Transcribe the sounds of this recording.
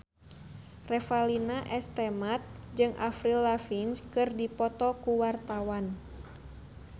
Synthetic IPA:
rɛfalinaʔɛst̪ɛmat̪̚d͡ʒɨŋʔafɾilːafinskɨrdipɔt̪ɔkuwart̪awan

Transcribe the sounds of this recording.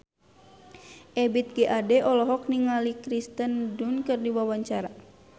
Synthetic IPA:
ʔɛbit̪̚ɡeʔadɛʔɔlɔɦɔk̚niŋalikɾist̪əndunkɨrdiwawaɲt͡ʃaɾa

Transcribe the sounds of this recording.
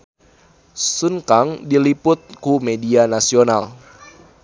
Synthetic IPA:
sunkaŋdilipʊt̪̚kumedianasional

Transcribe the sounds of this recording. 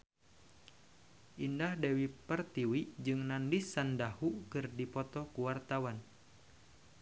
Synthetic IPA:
ʔindahdewipərt̪iwid͡ʒɨŋnandisːandahukɨrdipɔt̪ɔkuwart̪awan

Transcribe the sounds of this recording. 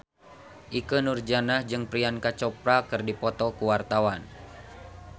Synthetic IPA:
ʔikənurd͡ʒanahd͡ʒɨŋpɾiankat͡ʃɔpɾakɨrdipɔt̪ɔkuwart̪awan

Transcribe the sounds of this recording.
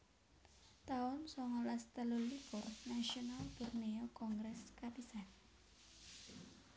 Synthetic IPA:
t̪aʊnsɔŋɔlast̪əlulipʊrnasionalb̥urneɔkɔŋɡɾɛskat̪isan

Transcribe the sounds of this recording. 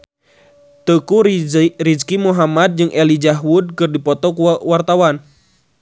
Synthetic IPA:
t̪əkuriskimuɦamad̪̚d͡ʒɨŋʔɛlid͡ʒaɦwud̚kɨrdipɔt̪ɔkuwart̪awan

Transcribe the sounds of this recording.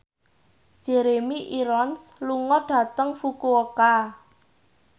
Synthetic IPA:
ʒ̥eɾemiʔiɾɔnsluŋɔɖ̥ä̤t̪əŋfukuoka

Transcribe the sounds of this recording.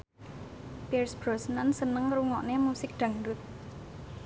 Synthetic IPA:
pirsb̥ɾɔ̤sənansənəŋruŋɔʔnemusɪk̚ɖ̪̥ä̤ŋdʊt̪̚

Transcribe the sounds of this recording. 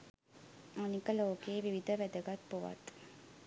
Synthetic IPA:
anikəloːkeːʋiʋid̪ʱəʋæd̪əɡat̪̚poʋa̰t̪

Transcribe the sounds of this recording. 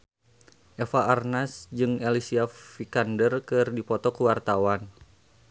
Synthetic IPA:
ʔɛfaʔːrnasd͡ʒɨŋelisiafikandərkɨrdipɔt̪ɔkuwart̪awan

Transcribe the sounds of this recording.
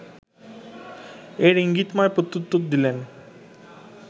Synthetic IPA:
eɾiŋɡit̪maepɾot̪ːut̪ːot̪̚d̪ilen

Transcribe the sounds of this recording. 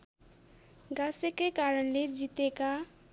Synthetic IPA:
ɡasekekaɾənled͡zit̪eka

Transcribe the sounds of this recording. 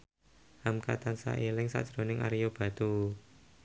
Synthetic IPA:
hamkat̪ansa̰ʔelɪŋsa̰ʔd̥ʒ̥ɾo̤nɪŋa̰ɾijob̥a̤t̪u

